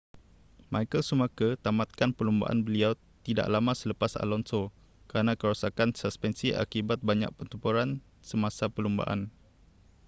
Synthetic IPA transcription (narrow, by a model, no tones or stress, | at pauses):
majkəlsumakət̪amat̪̚kanpəlumba̰ʔa̰nbəliaw | t̪ida̰ʔlamãsələpasa̰lɔnso | kəɾanãkəɾusakansəspɛnsiʔa̰kibat̪̚baɲa̰ʔ̚pət̪umpuɾan | səmãsapəlumba̰ʔa̰n